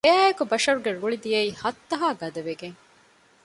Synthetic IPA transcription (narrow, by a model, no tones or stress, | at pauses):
eæːekubɐʃɐɾuɡeɾuɭid̪ijɐihɐt̪ːɐɦaːɡɐd̪ɐʋeɡeŋ